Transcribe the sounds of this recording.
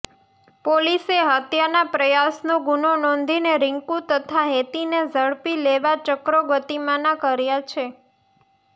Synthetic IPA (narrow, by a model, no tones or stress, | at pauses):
poliseɦət̪janapɾəjasnoɡunonɔ̃nd̪ʱineɾɪŋkũt̪ət̪ʰaɦet̪inezʱəɭpileʋat͡ʃəkɾoɡət̪imanakəɾjat͡ʃʰe